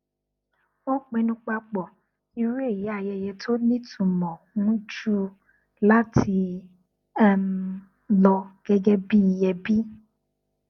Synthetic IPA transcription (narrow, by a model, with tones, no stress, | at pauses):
wɔ˦k͡pẽ˧nũ˧k͡pa˧k͡pɔ˨ | i˧ɾi˦e˦˨ji˨˦a˧˨jɛ˧jɛ˧tʰo˦nĩ˦tʰũ˨˧˨mɔ̃˨ŋũ˨˦d͡ʒu˦ | la˦tʰi˧˦ | lɔ˧ɡ̥ɛ˦ɡɛ˦bi˦i˧jɛ˧bi˦